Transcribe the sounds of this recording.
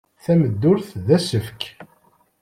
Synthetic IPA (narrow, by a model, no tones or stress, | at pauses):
θæməd̪ːʊɾθðæsəfk